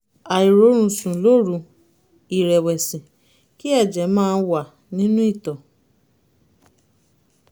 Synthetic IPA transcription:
a˨i˨ɾo˨˦ɾ̃ũ˧sũ˨lo˦ɾũ˨˧ | i˨ɾɛ˨wɛ˨sĩ˨ | ki˦ɛ˦˨d͡ʒɛ˨˦mãː˦˧˦wa˦˨ | nĩ˦nũ˦i˦˨tɔ˨

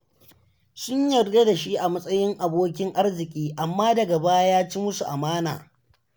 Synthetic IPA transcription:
sʊ˦ɲjɐ˨rɡe˦da˨ʃi˦ʔa˨mɐ˦sʼɐ˦jɪ˦ŋʔa˨boː˦kʲɪ˦ŋʔa˦rzɪ˨kʲʼiː˦ʔa˨mːaː˦dɐ˨ɡɐ˨baː˦jaː˦t͡ʃi˦mʊ˦su˨ʔa˨maː˦na̰ː˨

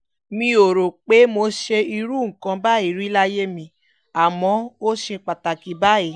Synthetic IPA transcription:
mĩ˧o˨ɾo˨k͡pe˦mo˧ʃe˧i˧ɾu˦ŋ̩˨kã˧ba˦˨i˦˨ɾi˦la˦je˦mĩ˧ | a˨mɔ̃˨˦o˦ʃe˧k͡pa˨ta˨ki˨ba˦i˨

